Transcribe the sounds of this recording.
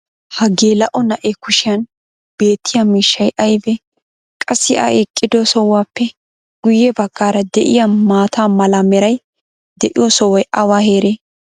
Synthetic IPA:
hɐɡeːlɐʔɔnɐʔekʊʃɪjɐn | b̥e̞ːt̪ːɪjamiːʃːɐjʔɐjbɛ | kʼɐsːɪʔa̰ɛkʼːɪd̪ɔsɔwːaːpːɛ | ɡ̥ʊjːɛbɐɡːaːɾɐd̪ɛʔɪjamaːt̪ʰaːmɐlamɛɾɐj | d̪ɛʔɪjɔsɔwɔjʔɐwaːhe̞ːɾeː

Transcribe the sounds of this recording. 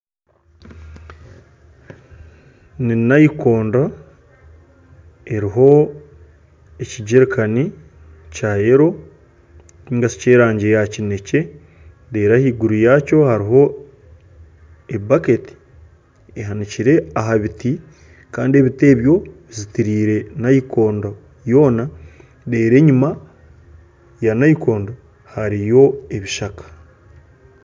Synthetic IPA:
ninajiko̞ːnda | eɾiɦo̞ | eciɟeɾikʰani | caje̞ɾo̞ | iŋɡasi̥ce̞ːɾaːɲɟe̞jacine̞ce̞ | ndeːɾahiːɡuɾujaːco̞haɾiɦo̞ | ebake̞ti̥ | eɦaniciɾe̞aɦaβiti | kaːndie̞βite̞ːβjo̞βizitiɾiːɾe̞naiko̞ːndo | jo̞ːna | de̞ːɾe̞ːɲima | janaiko̞ːndo | haɾijo̞eβiʃakḁ

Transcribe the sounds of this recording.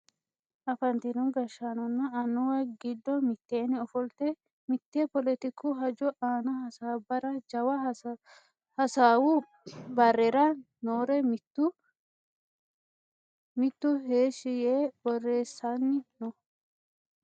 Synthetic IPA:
ʔɐfɐnt̪ɪnɔnɡɐʃːanɔnːɐɐnːʊwɐɡɪd̪ːɔmɪt̪ːeːnɪɔfɔlt̪ɛ | mɪt̪ːepɔlɛt̪ɪkːʊɦɐd͡ʒɔʔaːnɐhɐsaːbɐɾɐd͡ʒɐwɐ | hɐsaːwʊ | bɐrːɛɾɐ | noːɾɛmː | ʊ | mɪt̪ːʊɦeːʃɪjeːbɔrːe̞ːsːanːɪnɔ

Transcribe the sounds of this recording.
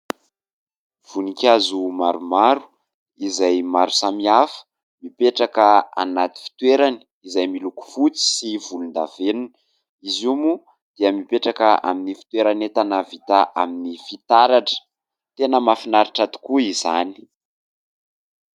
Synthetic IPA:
v̥unikʲazumaɾumaɾu̥ | izajmaɾusamiafə̥ | mipeʈ͡ʂakəa̰nat̪i̥fi̥t̪weɾani̥ | izajmiluku̥fut͡si̥sivulund̪a̰venuni̥ | iziumu | d̪̥eəmipeʈ͡ʂakəʔa̰minifi̥t̪weɾanet̪anavit̪aʔa̰minifit̪aɾaʈ͡ʂə̥ | t̪enəmafinaɾiʈ͡ʂat̪i̥kuizani̥

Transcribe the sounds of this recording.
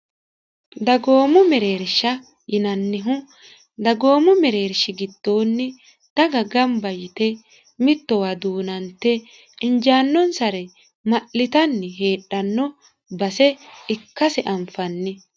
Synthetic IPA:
d̪ɐɡo̞ːmʊmɛɾeːɾʃɐ | jɪnɐnːɪɦʊ | d̪ɐɡo̞ːmʊmɛɾe̞ːɾʃɪɡɪd̪̥ːo̞ːnːɪ | d̪̥ɐɡɐɡɐmbɐjɪt̪ɛ | mɪt̪ːɔwad̪uːnɐnt̪ːɛ | ɪnd͡ʒaːnːɔnsɐɾɛ | mɐʔːɪt̪ɐnːɪɦe̞ːɗːɐnːɔ | bɐsɛɪkːɐsɛʔɐmfɐnːɪ

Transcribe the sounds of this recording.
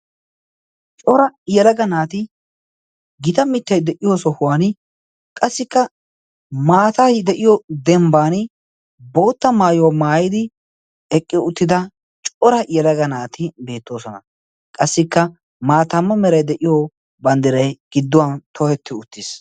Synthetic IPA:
t͡ʃʼɔɾɐjɛlɐɡɐnaːt̪ɪ | ɡɪt̪ɐmɪt̪ːɐjd̪ɛʔɪjosɔhʊwaːn | kʼɐsːɪkːɐ | maːt̪ajd̪ɛʔɪjɔd̪ɛmbaːn | bo̞ːt̪ːɐmaːjowmaːjɪd̪ɪ | ɛkʼːɪʊt̪ːɪd̪ɐ | t͡ʃʼɔɾɐjɛlɐɡɐnaːt̪ɪbe̞ːt̪ːo̞ːsɔnɐ | kʼɐsːɪkːɐ | maːt̪ɐmːɐmɛɾɐjd̪ɛʔɪjo | bɐnd̪ɪɾɐjɡ̥ɪd̪ːʊwant̪ʰɔhɛt̪ːɪʊt̪ːɪs

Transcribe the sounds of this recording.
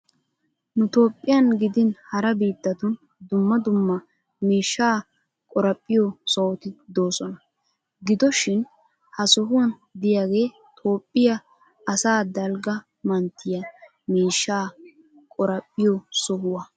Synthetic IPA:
nʊt̪o̞ːpʼːɪjɐnɡɪd̪ɪnhɐɾɐbiːt̪ːɐt̪ʊn | d̪ʊmːɐd̪ʊmːɐ | miːʃːaː | kʼɔɾɐpʼːɪjɔsɔɔt̪ɪd̪o̞ːsɔnɐ | ɡɪd̪ɔʃɪn | hɐsɔɦʊwɐn | d̪ɪjaːɡe̞ː | t̪ʰo̞ːpʼːɪjɐː | saːd̪ɐlɡɐ | mɐnt̪ːɪjɐ | miːʃːaː | kʼɔɾɐpʼːɪjɔsɔɦʊwɐ

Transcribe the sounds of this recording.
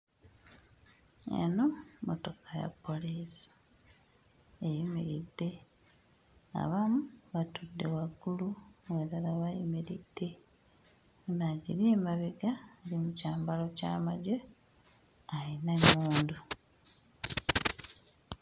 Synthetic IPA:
ḛno̞moto̞kʰaja̰pːo̞liːsi̥ | ejimiɾḭdːe̞ | a̰βamuβatudːe̞waɡuluweɾalaβajimiɾid̥ːe̞ | naɟiɾiemaβiɡaeɾimucaːmbaloca̰ːmaɟe | aɾinaimuːndu

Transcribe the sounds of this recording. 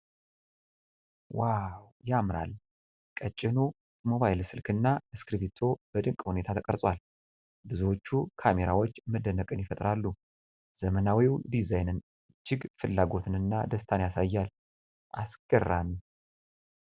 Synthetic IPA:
waw | jamɾa̰l | kʼət͡ʃʼːɪnu | mo̞βajlsɨlkʰɨnːaɨskɾɨβit̪ʰo̞b̥əd̪ɨŋkʼhune̞t̪ʰat̪ʰəkʼəɾsʼwal | bɨzuwo̞t͡ʃːukʰame̞ɾawo̞t͡ʃːməd̪ənəkʼɨnjɪfət̪ʼɾalːu | z̥əmənawiwd̪izajnɨn | t͡ʃːɪɡfɨlːaɡo̞t̪ʰɨnɨnːa̰d̪əst̪ʰanjasajːal | ʔasɡ̥ərːami

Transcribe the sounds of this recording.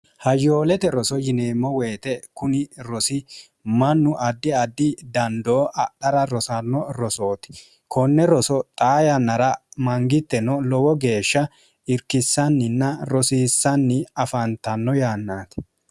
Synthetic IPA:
hɐjo̞ːlɛt̪ɛɾɔsɔjɪneːmːɔweːt̪ɛkʊnɪɾɔsɪ | mɐnːʊʔɐd̪ːɪɐd̪ːɪd̪ɐnd̪o̞ːʔɐɗɐɾɐɾɔsɐnːɔɾɔsoːt̪ɪ̥ | kʰɔnːɛɾɔsɔt̪ʼaːjɐnːɐɾɐmɐŋɡɪt̪ːɛnːɔlɔwɔɡe̞ːʃːɐ | ɪɾkɪsːɐnːɪnːɐɾɔsiːsːɐnːɪɐfɐnt̪ɐnːɔjaːnːaːt̪ɪ̥

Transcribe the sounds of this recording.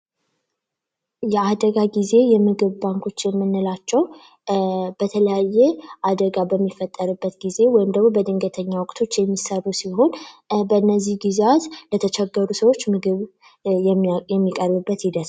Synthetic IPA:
jɛad̪əɡaɡize̞jɛmɨɡɨβbaŋkʰo̞t͡ʃːjɛmːɨnːɨlat͡ʃːɛw | b̥ət̪ʰələjajːeʔad̪əɡabəmːifːət̪ʼːəɾɨbːət̪ɡize̞wɔjɪmd̪əɡmobəd̪ɨŋɡət̪ʰəɲːawʊkʼt̪ʰo̞t͡ʃːjɛmːisərːusiho̞nbəɨnːəzːihɡizeat̪lət̪ʰət͡ʃʰɛɡːəɾusəwo̞t͡ʃːmɨɡɨβ | jɛjɛmːikʼəɾbɨbːət̪hid̪ət̪

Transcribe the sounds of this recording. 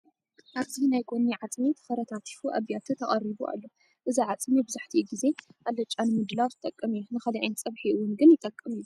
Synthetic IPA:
ʔaβzinajɡʷoniʕat͡sʼmit̪ʰɨ̥fɐɾɐt̪ʰat̪ʰi̥fuʔaβjat̪ʰɨt̪ʰɐχʼɐɾiβuʔa̰lːo | ʔɨziʕat͡sʼmibɨzaħt̪ʰiʔːɡize̞ʔaβlɐt͡ʃʼːanɨmɨd̪ɨlawzɨt̪ʼɐkʼːɐmijunɨxad̪iʕajnt͡sʼɐβħiʔɨwʊnɡɨnjɪt̪ʼɐkʼːɐmiju

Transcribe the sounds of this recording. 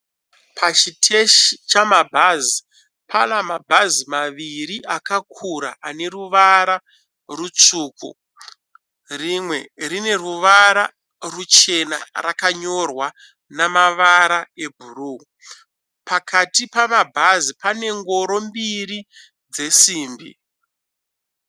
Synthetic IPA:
pʰat͡ʃitʰe̞ʃit͡ʃamabʱazi | pʰanamabʱazimaʋiɾiʔakakʰuɾa̰ʔane̞ruʋaɾa | rut͡ʂuːkṵ | rimwe̞rine̞ruʋaɾa | rut͡ʃe̞na̰ɾakaɲo̞rwa | namaʋaɾae̞bʱuru | pakʰatipamabʱazipane̞ŋɡo̞ɾo̞mbiri | d͡ze̞siːmbḭ

